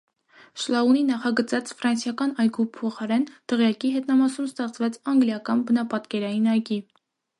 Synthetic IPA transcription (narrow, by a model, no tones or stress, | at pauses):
ʃlɑuninɑχɑɡət͡sɑt͡sʰfɾɑnsjɑkɑnɑjɡupʰɔχɑɾɛnt̪əʁjɑkiɦɛt̪nɑmɑsumst̪ɛχt͡sʰvɛt͡sʰɑŋɡljɑkɑnbənɑpɑt̪kɛɾɑjinɑjɡi